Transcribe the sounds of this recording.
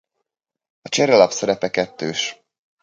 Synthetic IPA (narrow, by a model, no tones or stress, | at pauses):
ɒt͡ʃɛɾɛlɒpsɛɾɛpɛkɛt̪ːøːʃ